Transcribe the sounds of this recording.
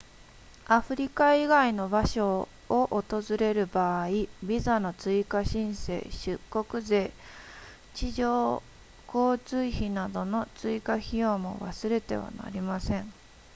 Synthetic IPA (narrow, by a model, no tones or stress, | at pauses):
aɸɯ̟ɾʲikaiɡaino̞baɕo̞ː | ʔot̪o̞zɨɾe̞ɾɯ̟baːibʲizano̞t͡sɨikaɕĩɰ̃se̞̰ːɕɨkːo̞kɯ̟ze̞ː | t͡ɕiʑoː | ko̞ːt͡sɨiçinad̪o̞no̞t͡sɨikaçijo̞ːmo̞̰βa̰sɨɾe̞t̪e̞̰β̞a̰na̰ɾʲimasẽ̞ɴ